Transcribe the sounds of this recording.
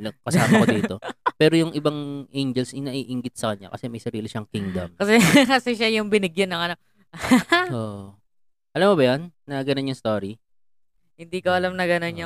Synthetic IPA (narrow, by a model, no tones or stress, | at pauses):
ɐkɐsaːmɐkod̪iːt̪o̞pɛːɾojʊŋʔɪbaŋʔejnd͡ʒɛlsɪnɐʔiːʔɪŋɡɪt̪̚sɐkɐɲɲa̰kɐ̰sɛmɐjsɐɾiːlɪʃɐŋkiŋd̪ɐ̰mkɐsɛkɐsɛʃajʊŋbɪnɪɡjɐnːɐŋɐno | ʔoʔ | ʔɐlamːobɐjanːɐɡɐnonjʊŋst̪oːɾi | hɪnd̪iːkoʔɐlamnɐɡɐno̞njʊ